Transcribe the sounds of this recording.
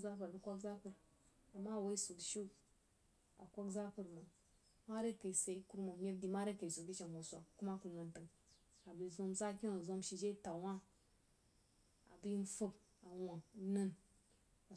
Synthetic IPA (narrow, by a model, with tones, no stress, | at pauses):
za˦pə˨ɾdə˦kʷa˦kza˦pə˨ɾ | a˨mːa˦˨wa˦i˦su˨ɡʃi˦ | a̰˨kʷa˦kza˦pə˨ɾma˨ | ma˦ɾe˦ka˨i˨se˨i˦ku˦ɾma˨mʲe˦di˨ma˦ɾe˦ka˨i˨su˨ɡʲi˦t͡ʃe˨nwo˨sʷa˨ku˦ma˦ku˨lna˨ntə˨ŋ | a˨bi˨zo˦mza˦kʲi˦o˨zo˦mʃi˨d͡ʒe˦ta˨wa˦ | a̰˨bi˦n˦fə˦b | a˨wa˨˦nə˦n | a˨